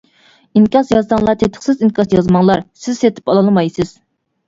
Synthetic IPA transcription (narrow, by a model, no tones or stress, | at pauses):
iŋkʲɑsjɑzsɑŋlˠɑɾt̪ʰet̪ʰɪ̥χsɪziŋkʲʰɑsjɑzmɑŋlˠɑɾsɪz̥set̪ʰɪ̥pɑlˠɑlˠmɑjsɪz̥